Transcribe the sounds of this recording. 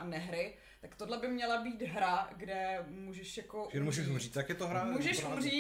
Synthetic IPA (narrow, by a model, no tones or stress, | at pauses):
ʔanɛɦɾɪ | t̪akt̪odlɛbɪmɲɛlabiːt̪ɦɾaɡdɛmuːʒɛʃjakoɛnomusiʃumriːt͡s̪jakjɛt̪oɦɾammuʒɛʃumriː